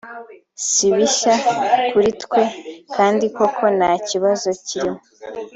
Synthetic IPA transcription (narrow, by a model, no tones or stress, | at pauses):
siβiʃakuɾitkwe̞kʰaːndiko̞kʰo̞naciβazo̞ciɾimo